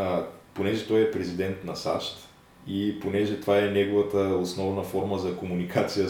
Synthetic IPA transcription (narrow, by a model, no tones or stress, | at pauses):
ponɛʒɛt̪ɔjɛpɾɛzid̪ɛnt̪nɐsa̰ʃt̪ | iponɛʒɛt̪ovaɛnɛɡovət̪əosnɔvnəfɔɾməzɐkomunikʰat̪sijə